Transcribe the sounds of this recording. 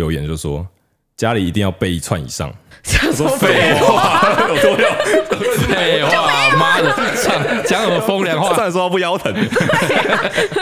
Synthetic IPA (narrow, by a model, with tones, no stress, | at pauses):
jo˧ʊjɛ˨˩nt͡ɕjo˥˩ʊʂwɔ̰˦ | t͡ɕja˦li˨˩i˨˧t̪i˥˧ŋjɑ˥˧ʊpe˥˧ɪi˨t͡sʰwa˥˩nḭ˨˩ʂɑ̰˥˩ŋa˥˩wɔ˥fe˥˧wa˥˩jo˨˩ʊt̪wɔ˥jo˨˩t͡ɕfe˥˩ɪxwa˥˩ma˦˥d̪ə˨˩sɑ˥˨˩ŋt͡ɕjɑ˥˦ŋnə˨˩ə˨fo˥ŋljɑ˨˦ŋ˦wa˥˧swa˥˩n˨s̬wɔ˥a˥˧˩p̬u˥˩jɑ˥˦ʊt̪ʰə˨˩n